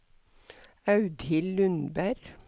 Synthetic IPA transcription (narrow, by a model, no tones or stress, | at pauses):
ɑʉd̪hɪllʉnbæɾ